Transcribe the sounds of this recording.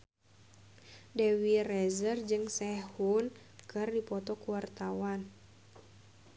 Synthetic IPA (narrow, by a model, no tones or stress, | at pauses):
dɛwirɛzərd͡ʒɨŋsɛhun | kɨrdipɔt̪ɔkuwart̪awan